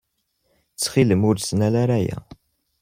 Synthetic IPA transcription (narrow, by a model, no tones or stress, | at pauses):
t͡sːχiləmʊɾsnælaɾajæ̰